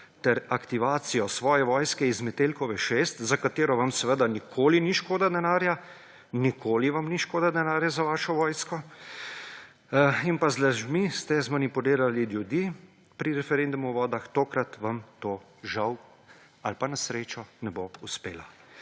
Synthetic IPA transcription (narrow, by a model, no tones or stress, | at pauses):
t̪ɛɾakt̪iʋaːt̪sijɔsʋɔːjɛʋɔːjskɛizmɛt̪eːlkɔʋɛʃeːst̪zakat̪eːɾɔʋamsɛʋəd̪anikʰoːliniʃkoːd̪ad̪ɛnaːɾja | nikʰoːliʋamniʃkoːd̪ad̪ɛnaːɾjazaʋaːʃɔʋɔːjskɔ | inpazlaʒmist̪ɛzmanipuliːɾaliljud̪i | pɾiɾɛfɛɾend̪umuʋɔːd̪axt̪oːkɾat̪ʋamt̪oː | ʒaw | alpanasɾeːt͡ʃɔnɛbouspeːla